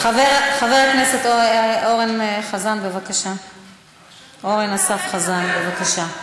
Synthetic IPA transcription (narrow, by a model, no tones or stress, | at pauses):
aveʁχaveʁakneset̪ooʁenχazanbevakaʃa | ʔo̞ʁenasafχazanbevakaʃa